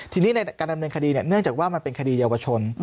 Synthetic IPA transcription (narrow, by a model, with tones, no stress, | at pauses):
t̪ʰiː˧niː˦˥na˧jkaː˧nda˧mnɤː˧nkʰa˧diː˧ni˨˩nɯ˥˩əŋt͡ɕaː˨˩k̚waː˥˩ma˧npe˧nkʰa˧diː˧jaː˧wa˧t͡ɕʰo˧n